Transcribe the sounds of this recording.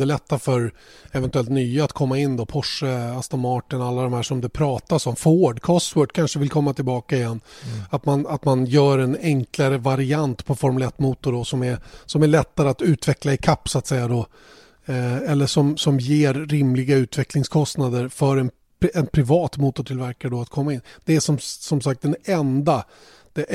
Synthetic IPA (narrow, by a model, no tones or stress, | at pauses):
ɛlɛt̪ːafœɾɛvɛnt̪ɵɛlt̪nyːaat̪kʰɔmːaɪnːd̪ɔpʰɔʂəast̪ɔmɑːʈɪnalːad̪ɔmhæːʂɔmd̪ɵpʰɾɑːt̪asɔmfoːɖkʰɔst̪wœʈkʰanʂəvɪlkʰɔmːat̪ʰɪlbɑːkaɪjɛnːat̪manat̪manjœːɾɛnɛŋklaɾəvaɾɪant̪pʰɔfɔɾmɵlɛt̪ːmuːt̪ʊɖɔsɔmæɾsɔmæɭɛt̪ːaɾəat̪ʉ̟ːt̪vɛklaɪkʰapːsʊat̪sɛjːad̪ɔ | ɛlːəʂɔmsɔmjeːɾːɪmlɪɡaʉ̟ːt̪vɛklɪŋskʰɔst̪nad̪əɾfœɾɛn | ɛnpʰɾɪvɑːt̪muːt̪ʊʈʰɪlvæɾkaɾəɖɔat̪kʰɔmːaɪnːd̪̥ɛæʂɔmsɔmsak̚t̪̚d̪ɛnɛnd̪a | d̪̥ɛʔ